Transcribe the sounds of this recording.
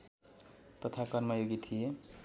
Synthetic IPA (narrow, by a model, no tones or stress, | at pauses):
t̪ʌt̪ʰakʌrmʌjoɡit̪ʰije